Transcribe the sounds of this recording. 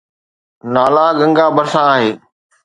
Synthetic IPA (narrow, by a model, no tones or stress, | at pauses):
naːlaːɠə̃ŋɡaːbəɾsãːaːɦeː